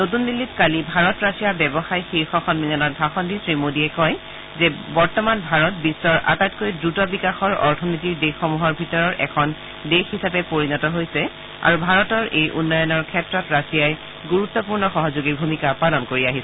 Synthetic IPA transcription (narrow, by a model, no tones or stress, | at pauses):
not̬undilːitkalibʱaɹɔtɹasijabɛbɔxajxiɹxɔxɔnminanɔt̚bʱaxɔndisɹimodiɛkɔj | zɛbɔɹtɔmanbʱaɹɔt̚bisːɔɹʔa̰tajt̚kojdɹutɔbikaxɔɹɔ̰ɹtʰɔnitiɹdexɔmuɦɔɹbʱitɔɹɔɹʔɛ̰kʰɔn | dexisapɛpoɹinɔtɔɦojsɛ | a̰ɹubʱaɹɔtɔɹʔejʔunːɔjɔnɔɹkʰɛtɹɔtɹasijaj | ɡuɹut̪ːɔp̬uɹnɔxɔɦɔzoɡiɹbʱumikapalɔnkoɹiaɦisɛ